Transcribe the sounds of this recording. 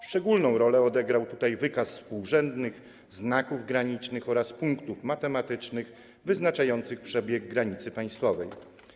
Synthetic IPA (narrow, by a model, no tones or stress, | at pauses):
fʂt͡ʂɛɡulnɔ̃w̃ɾɔlɛɔd̪ɛɡɾawt̪ut̪ajvɘkasspuwʐɛnd̪nɘɣ | znakuvɡɾaɲit͡ʂnɘxɔɾaspuŋkt̪ufmat̪ɛmat̪ɘt͡ʂnɘx | vɘznat͡ʂajɔnt̪sɘxpʂɛbʲjɛɡːɾaɲit̪sɘpaj̃st̪fɔvɛj